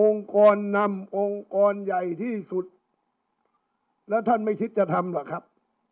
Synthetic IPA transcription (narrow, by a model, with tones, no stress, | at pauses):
ʔo˧ŋkɔː˧nːa˧˥mʔo˧ŋkɔː˧nja˨˩jt̪ʰiː˥˩su˨˩t̪̚ | lɛː˦˥˩t̪ʰa˥˩nma˥˩jk̪ʰi˦˥t̪̚t͡ɕa˧˨˩t̪ʰa˧mla˨˩kʰa˦˥p̚